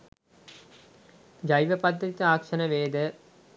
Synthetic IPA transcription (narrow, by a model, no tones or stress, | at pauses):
d͡ʒɐjʋəpɐd̪ɾit̪əaːkʂɐnəʋeːd̪ə